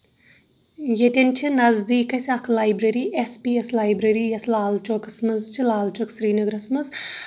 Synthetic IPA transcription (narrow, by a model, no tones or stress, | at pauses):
jet̪ʲent͡ʃʰinɐzd̪iːkɐsʲɐkʰlaːjbɾɐɾiːʔespieslaːjbɾɐɾiːjɐslaːlt͡ʃoːkɐsmɐzt͡ʃʰilaːlt͡ʃoːksɾiːnɐɡɾɐsmɐz